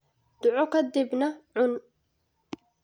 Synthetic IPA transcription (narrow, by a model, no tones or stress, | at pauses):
d̪̥ʊʕɔkʰɐd̪ɪbnɐʕʊn